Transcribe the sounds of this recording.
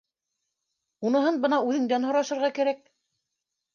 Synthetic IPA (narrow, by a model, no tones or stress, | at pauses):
unɤ̆ɦɤnbɤ̆nɑʉðɘ̆ŋd̪ænhŏɾɑʃɤ̆ɾʁɑkæɾæk̚